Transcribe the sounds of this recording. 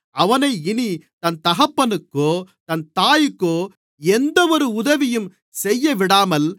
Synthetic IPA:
ɐʋɐnɐɪɪnit̪ɐnt̪ɐɣɐpːɐnɯkːoːt̪ɐnt̪aːjɯkːoː | ɛnd̪ɐʋɔɾɯʊðɐʋɪjɯm | sɛjːɐʋɪɽaːmɐl

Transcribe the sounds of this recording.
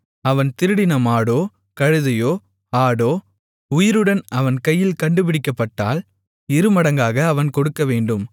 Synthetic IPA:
ɐʋɐnt̪ɪɾɯɽɪnɐmaːɽoː | kɐɻɯðɐjoː | aːɽoː | ʊjɪɾɯɽɐnɐʋɐnkɐjːɪlkɐɳɖɯp̬ɪɽɪkːɐpːɐʈːa̰ːl | ɪɾɯmɐɽɐŋɡaːɣɐːʋɐnkɔɽɯkːɐʋeːɳɖɯm

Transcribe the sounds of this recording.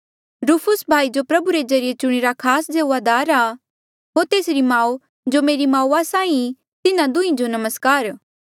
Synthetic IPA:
ɾuːpʰʊsbʱaːid͡ʒopɾɐbuɾezɐɾɪjet͡ʃʊɽ̃iɾakʰaːsd͡ʒeʋad̪aːɾa | ɦoːɾt̪eːsɾimãːu | d͡ʒomeːɾimãːuasãːĩ | t̪ɪnãd̪ʊ̃ĩd͡ʒonɐməskaːɾ

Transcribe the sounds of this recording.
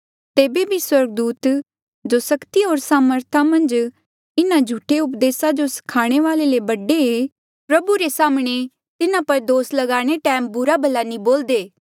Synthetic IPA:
t̪eːbebʱiswɐɾɡ̚d̪uːt̪ | d͡ʒoːsɐkt̪iɦoːɾsaːməɾt̪ʰamɐ̃nd͡ʒ | ɪnãd͡ʒʱuːʈʰeʊpd̪eːsad͡ʒosɐ̥kʰaːɽ̃eʋaːlelebɐɖee | pɾɐbuɾesaːmɽ̃e | t̪ɪnãpɐɾd̪oːslɐɡaːɽ̃eʈɛːmbʊɾabʱɐlanĩboːld̪eː

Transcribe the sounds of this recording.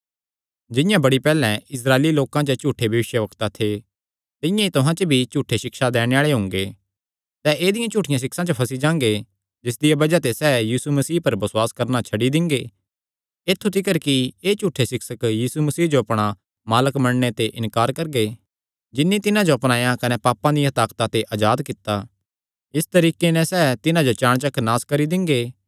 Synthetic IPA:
d͡ʒɪ̃jãbɐɽipɛːlɛ̃ɪs̬ɾaːeːliloːkãt͡ʃət͡ʃuːʈʰːebʱjɐʋɪʃjəʋɐkt̪at̪ʰe | t̪ɪ̃jãit̪ʊɦãt͡ʃəbʱit͡ʃuːʈʰːeʃɪkʃad̪ɛːɽ̃eaːɭeɦʊ̃ŋ̆ɡe | sɛʔeːd̪ɪjãt͡ʃuːʈʰːɪjãs̬ɪksãt͡ʃəpʰɐsid͡ʒãːŋ̆ɡe | d͡ʒɪs̬d̪ɪjabɐd͡ʒat̪esɛːjiːsumɐsiːpɐɾbɐswaːskɐɾnat͡ʃʰɐɖid̪ɪ̃ŋɡe | eːt̪ʰːut̪ʰɪkəɾkieːt͡ʃuːʈʰesɪksəkjiːsumɐsiːd͡ʒoɐpɽ̃a | maːləkmɐɽɳ̃et̪eʔɪ̃nkaːɾkɐɾɡe | d͡ʒɪnːit̪ɪnãd͡ʒoɐpɽ̃aːjãkɐnɛpaːpãd̪ĩɦɐt̪aːkt̪at̪eʔaːd͡ʒaːd̪kɪt̪ːa | ɪst̪ɐɾiːkenɛ̃sɛːt̪ɪnãd͡ʒot͡ʃãːɽ̃t͡ʃɐkʰːnaːskɐɾid̪ɪ̃ŋɡeː

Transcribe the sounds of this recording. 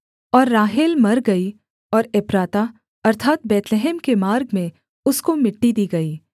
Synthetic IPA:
ɔːɾːaːɦɪlmɐɾɡɐi | ɔːɾepɾaːt̪a | ɐɾt̪ʰaːt̪bɛːt̪leɦɛːmkemaːɾɡmẽ | ʊskomɪʈːid̪iːɡɐiː

